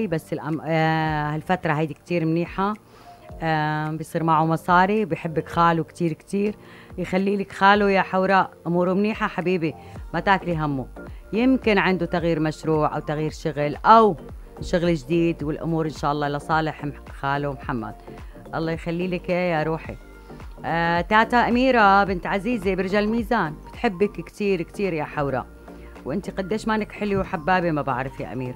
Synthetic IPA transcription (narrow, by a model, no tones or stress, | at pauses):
basːɪlʔa | halfat̪ɾˤɑɦajd̪ikt̪iːɾmniːħa | bɪjsˤiːɾmaʕumɑsˤɑːɾiwbɪjħɪbːɪkxaːlukt̪iːɾkt̪iːɾ | jxalːiːlɪkxaːlujaħawɾaːʔʔʊmuːɾumniːħaħabiːbi | mat̪aːkliɦamːujɪmkɪnʕɪnd̪ut̪aɣjiːɾmaʃɾuːʕʔa̰wt̪aɣjiːɾʃʊɣlʔaw | ʃʊɣld͡ʒd̪iːd̪wɪlʔʊ̰muːɾʔɪnʃaːʔɑlˤːɑːlasˤɑːlɪħmxaːlumħamːa̰d̪̚ | ʔɑ̰lˤːɑːjxalːiːlɪkʔejaɾˤuːħḭ | t̪aːt̪aʔamiːɾabɪnt̪ʕaziːzibɪɾʒalmiːzaːnb̥ɪt̪ħɪbːɪkkt̪iːɾkt̪iːɾjaħawɾˤa̰ | wʔɪnt̪iqad̪ːeːʃmaːnɪkħɪlwiwħabːaːbimaba̰ʕɾˤɑfja̰ʔa̰miːɾa